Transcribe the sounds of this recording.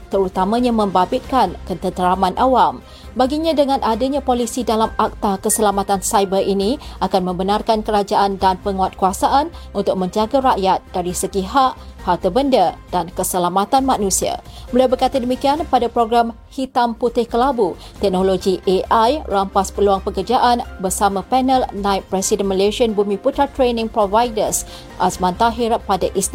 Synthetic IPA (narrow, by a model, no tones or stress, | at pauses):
t̪əɾut̪amãɲamə̃mbabɪt̪̚kankənt̪ət̪əɾamãnʔawam | baɡiɲãdəŋãnʔadaɲãpolisidalamak̚t̪akəsəlamat̪ansajbərʔiniʔakanmə̃mbənarkankəɾad͡ʒaʔandanpəŋuat̪̚kuasaʔanunt̪ʊk̚mə̃ɲd͡ʒaɡaɾaʔjat̪̚daɾisəɡiɦaʔhat̪əbəndəd̥ankəsəlamat̪anmãnũsia̰bəliawbərkat̪adəmikianpadapɾoɡɾam | hit̪amput̪ɪhkəlabu | t̪ɛk̚noloɡiʔeʔajrampaspəluaŋpəkərd͡ʒaʔanbərsamãpɛnəlnãipːɾɛsidənməleʃiənbumĩput̪ɾat̪ɾenĩŋpɾovajdəs | ʔasmãnt̪aɦɪrpadaʔisn